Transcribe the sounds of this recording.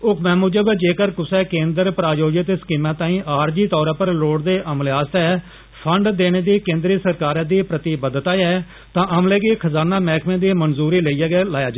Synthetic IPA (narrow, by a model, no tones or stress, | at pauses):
ʊkmɛ̃ːmuːd͡ʒəbd͡ʒeːkəɾkʊsɛːkẽːnd̪əɾpɾaːjoːd͡ʒɪt̪skiːmãːt̪ãːĩːʔaːɾd͡ʒiːt̪ɔːɾãːpəɾloːɽd̪eːʔəmlaːst̪ɛː | pʰəɳɖd̪eːɽ̃eːd̪iːkẽːnd̪ɾiːsəɾkaːɾãːd̪iːpɾət̪iːbəd̪t̪aːɛː | t̪ãːʔəmleːkiːkʰəzaːnãːmɛːkʰmẽːd̪iːmənzuːɾiːləiːɛːɡɛːlaːjaːd͡ʒa